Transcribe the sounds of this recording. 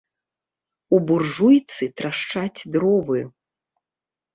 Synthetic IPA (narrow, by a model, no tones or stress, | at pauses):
uburʐujt̪sɨt̪ɾaʂt͡ʂat͡sʲd̪ɾɔvɨju